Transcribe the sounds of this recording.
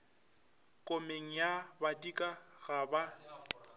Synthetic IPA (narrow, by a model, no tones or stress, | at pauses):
kʼomeŋ̩jabatʼikʼaɣaba